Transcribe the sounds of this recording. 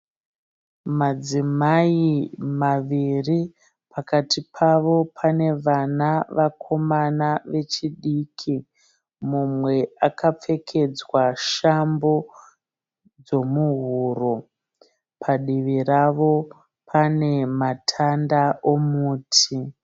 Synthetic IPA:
mad͡zimaimaʋiri | pʰakatʰipʰaʋo̞pʰane̞ʋanaʋakʰo̞manaʋe̞t͡ʃiɗiːkʰi | mumwe̞akap͡fe̞kʰe̞d͡zwaʃambo̞ | d͡zo̞muɦuːɾo | pʰaɗiʋiraʋo̞ | pʰane̞matʰandaomuːtʰi

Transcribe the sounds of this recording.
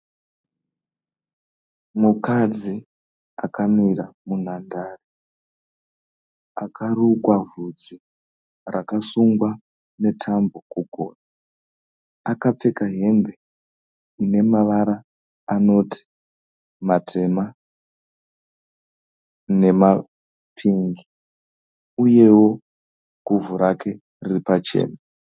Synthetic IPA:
mukad͡zi | akamiramunandaːri | akʰarukwavud͡zi | rakasuŋɡwa | ne̞tʰambokuɡʱo̰ːna | akap͡fe̞kaɦe̞mbe̞ | ine̞maʋaɾaː | no̞tʰi̥ | matʰe̞ma | ne̞ma | pʰiŋɡi | uje̞wo̞ | ɡ̥ʱuvuɾakʰe̞ | riripat͡ʃe̞̰ːna

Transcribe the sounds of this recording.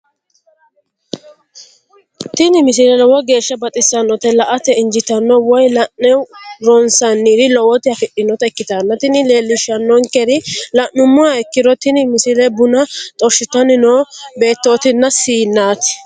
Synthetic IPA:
t̪ɪnɪmɪs̬ɪɾɛlɔwɔɡe̞ːʃːɐbɐt̪ʼɪsɐnːɔt̪ɛlɐʔɐt̪ɛɪnd͡ʒɪt̪ɐnːɔwɔjlɐnnɛwɾɔnsɐnːiːdɪlɔwɔt̪ɪɐfɪɗɪnɔt̪ɐɛkːɪt̪anːɐt̪ɪnɪle̞ːlːɪʃːɐnːɔŋkɛɾɪlɐʔːʊmːʊaɛkːɪɾɔt̪ɪnɪmɪsɪlɛbʊnɐt̪ʼɔʃːɪt̪ɐnɪnoːbe̞ːt̪ːo̞ːt̪ɪnːɐsiːnːaːt̪ɪ̥

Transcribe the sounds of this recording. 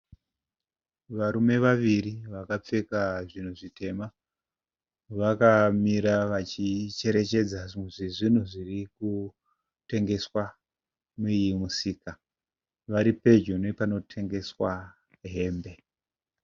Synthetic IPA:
ʋaɾume̞ʋaʋiriʋakap͡fe̞kaʐin̤uʐite̞ma | ʋakamiɾaʋat͡ʃit͡ʃe̞ɾe̞t͡ʃe̞d͡zaʐiʐin̤uʐiriku | te̞ŋɡe̞swa | mujimusiːka | ʋaɾipe̞d͡ʒonepano̞tʰe̞ŋɡe̞swa | ɦe̞ːmbe̞

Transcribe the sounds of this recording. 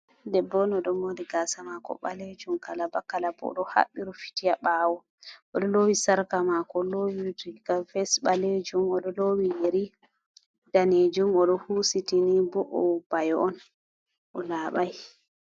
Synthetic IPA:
dɛbːɔnɔɗɔmodiɡasamakɔ̰ɓa̰led͡ʒumkalabakalabɔɔ̰ɗɔha̰ɓːiɾɔfi̥tijaɓaːwɔ | ʔɔɗɔlowisaɾkamakɔlowidiɡafɛsɓaled͡ʒumɔɗɔlowijeɾi | d̥aned͡ʒumɔɗɔhusitinibɔʔɔb̥ajɔɔn | ʔɔlaːɓaj

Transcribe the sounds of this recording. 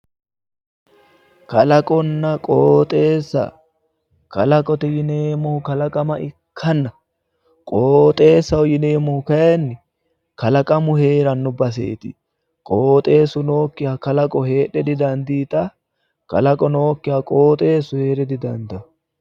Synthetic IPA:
kɐlɐkʼɔnːɐkʼoːt̪ʼe̞ːsːɐ̰ | kɐ̰lɐkʼɔt̪ɛjɪneːmɔhʊkɐlɐkʼɐmɐʔɪkʰːɐnːɐ | kʼoːt̪ʼe̞ːsːɐwʊjɪne̞ːmɔhʊkɐjɛnːɪ | kɐlɐkʼɐmʊhe̞ːɾɐnːʊbɐs̬ḛːt̪ɪ | kʼoːt̪ʼe̞ːsʊno̞ːkːɪjaːkɐlɐkʼɔhe̞ːɗɛd̪ɪd̪ɐnd̪iːt̪ɐ | kɐ̰lɐkʼɔno̞ːkːɪjakʼo̞ːt̪ʼe̞ːsʊheːɾɛd̪ɪd̪ɐnd̪ɐ

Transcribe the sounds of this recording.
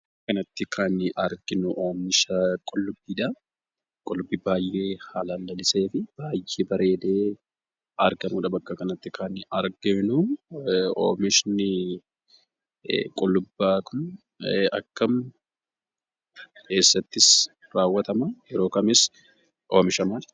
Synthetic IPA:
kɐnɐt̪ːɪkʰɐnʔɐɾɡɪnʊʔoːmɪʃɐkʼɔlːʊbːiːᶑɐ | kʼɔlːʊbːɪbaːjʔːe̞ːhaːlaːlːɐlɪse̞ːfɪb̥aːjʔeːbɐɾe̞ːd̪e̞ː | ɐɾɡɐmuːᶑɐbɐkːɐkɐnɐt̪ːɪkʰɐnɐɾɡɪnʊ | o̰ːmɪʃnɪ | kʼɔlːʊbːaːkʰʊn | ɐ̰kːɐm | kʰe̞ːsːɐt̪ːɪs | raːwːɐt̪ɐmajɛɾo̞ːkɐmɪs | ʔoːmɪʃɐmaːl

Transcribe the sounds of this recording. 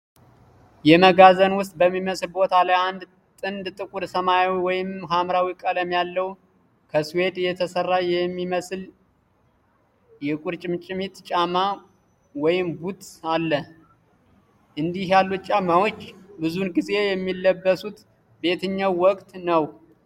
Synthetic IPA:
jɛməɡazənwʊst̪̚ʼbəmːiməslbo̞t̪ʰalajand̪ | t̪ʼɨnd̪t̪ʼɨkʼuɾsəmajawiwɔjɪmɦamɾawikʼələmjalːəw | kʰəswe̞t̪jɛt̪ʰəsərːajɛmːiməsl | jɛkʼuɾt͡ʃʼɪmt͡ʃʼɪmit̪t͡ʃʼama | wɔjɪmbut̪ʼalːə | ʔɨnd̪ihjalːut̪t͡ʃʼamawot͡ʃːbɨzunɡize̞jɛmːilːəbːəsut̪ | be̞t̪ʰɨɲːawːɔkʼt̪nəw

